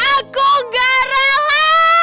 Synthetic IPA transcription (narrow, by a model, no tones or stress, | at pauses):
akuɡaɾala